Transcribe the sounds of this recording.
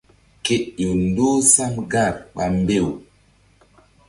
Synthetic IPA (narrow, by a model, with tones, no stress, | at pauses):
ke˨ɗjo˨ndo˦sa˦mɡa˦˨ɾɓa˨mbe˦˨w